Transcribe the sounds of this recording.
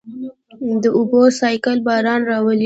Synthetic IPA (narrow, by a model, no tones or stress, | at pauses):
d̪əʊbosɑjkəlbɑɾɑnɾɑwəl